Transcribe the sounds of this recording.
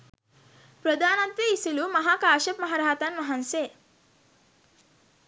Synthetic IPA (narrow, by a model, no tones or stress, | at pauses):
pɾɐd̪aːnant̪ʋiːsiluːmɐɦaːkaːʃɐpmɐɦaɾaɦt̪anmɐɦanse